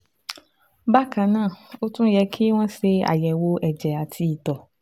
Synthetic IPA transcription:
ba˦kã˧nãː˦˨o˦tũ˦jɛ˧˦kʰi˦w̃ɔ̃˦se˧a̰˨jɛ˨wo˧ɛ˨d͡ʒɛ˨a˨tʰi˦i˨tɔ˨

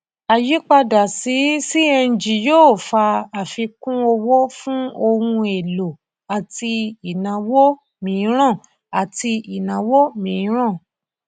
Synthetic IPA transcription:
a˨ji˦k͡pa˧da˨si˨˦si˦ɛ˧n̩˨d͡ʒi˨joː˦˨fa˧a˨fi˧kũ˦o˧wo˦fũ˦o˧hũ˧e˨lo˨ | a˨ti˧i˨nã˨wo˦ | mĩː˨˦ɾ̃ã˦˨ | a˨ti˧i˨nã˨wo˦mĩː˨˦ɾ̃ã˦˨

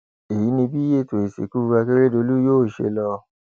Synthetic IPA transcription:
e˨ji˨˦nĩ˧bi˦e˦˨to˨i˨sḛ˨ku˦˧ɾa˧ke˦ɾe˦do˧lu˦joː˦˨ʃḛ˧lɔ˧

